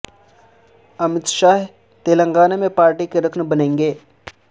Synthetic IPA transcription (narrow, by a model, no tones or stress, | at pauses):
ɐmɪt̪ʃaːɦ | t̪eːləŋɡaːnemẽpaːɾʈikeɾəkʰnəbɐnẽːŋɡeː